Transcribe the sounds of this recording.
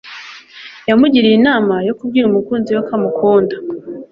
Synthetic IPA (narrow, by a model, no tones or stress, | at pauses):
jamuɟiɾijinaːmajo̞kubɡiːɾumukuːnziwakamukʰoːndḁ